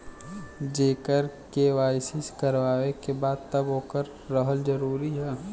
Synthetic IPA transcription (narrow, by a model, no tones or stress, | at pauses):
d͡ʒeːkəɾkeːʋaːɪsɪskəɾʋaːʋekebaːd̪̚t̪əbɦoːkəɾːəɦəld͡ʒəɾuːɾiɦɛː